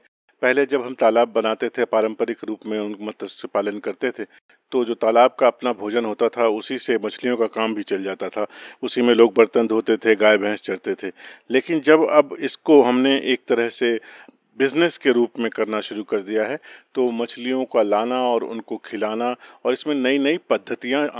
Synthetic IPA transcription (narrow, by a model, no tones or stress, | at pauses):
pɛɦled͡ʒɐbɦɐmt̪aːlaːbːɐnaːt̪et̪ʰepaːɾə̃mpəɾɪkɾuːpmẽʊnmɐt̪əsepaːlənkɐɾt̪et̪ʰe | t̪od͡ʒoːt̪aːlaːb̚kaɐpnabʱoːd͡ʒənɦoːt̪at̪ʰaʊsisemɐt͡ʃʰlijõkakaːmbʱit͡ʃɐld͡ʒaːt̪at̪ʰaːʊsimẽloːɡ̚bɐɾt̪ə̃nd̪ʱɦoːt̪et̪ʰeɡaːebʱɛ̃ːst͡ʃɐɽt̪et̪ʰeleːkɪnd͡ʒɐbɐbɪskoɦɐmneʔeːk̚t̪ɐɾəɦse | bɪzneskeɾuːpmẽkɐɾnaʃʊɾukɐɾd̪ijaɦɛt̪omɐt͡ʃʰlijõkalaːnaɔːɾʊ̰nkokʰɪlaːnaɔːɾɪsmẽnɐinɐipɐd̪ʱːət̪ijã